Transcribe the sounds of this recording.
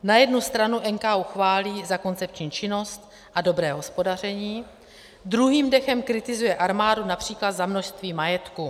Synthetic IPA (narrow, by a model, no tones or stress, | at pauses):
najɛdnust̪ɾanuʔɛŋkauxvaːliːzako̞nt͡sɛp̚t͡ʃɲiːt͡ʃɪno̞st̪ | ʔado̞bɾɛːɦo̞spo̞dar̝ɛɲiː | d̪ɾuɦiːmdɛxɛmkɾɪt̪ɪzujɛʔaɾmaːdunapr̝̥iːklat̪zamno̞ʃst̪viːmajɛt̪ku